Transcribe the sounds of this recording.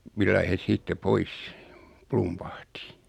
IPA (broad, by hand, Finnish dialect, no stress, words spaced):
milːɑi hes siːtːe pois plumpɑhti